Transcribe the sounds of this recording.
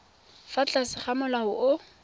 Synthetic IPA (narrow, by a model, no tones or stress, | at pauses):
fat͡ɬʼasɪχamʊlahʊʔʊ